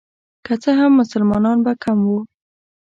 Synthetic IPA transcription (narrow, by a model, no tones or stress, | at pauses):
kat͡səɦamːʊsəlmɑnɑnbakʰamwu